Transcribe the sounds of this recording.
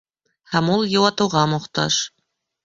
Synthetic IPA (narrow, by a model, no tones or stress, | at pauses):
hæmulˠjɤ̆wɑt̪ɤ̆wʁɑmŏqt̪ɑ̰ʃ